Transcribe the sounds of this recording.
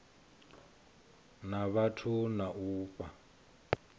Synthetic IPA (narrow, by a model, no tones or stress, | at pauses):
naβatʰunaʔuːpʼa